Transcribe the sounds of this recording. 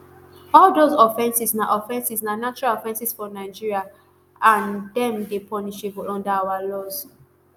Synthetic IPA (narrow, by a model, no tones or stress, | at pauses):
ɔldozɔfɛ̃nsisnaʔɔfɛ̃nsisnanat͡ʃɔɹalɔfɛ̃nsisfɔnaɪd͡ʒiɹia | ãndɛ̃mdepʰɔniʃebɔlɔ̃ndaawalɔz̥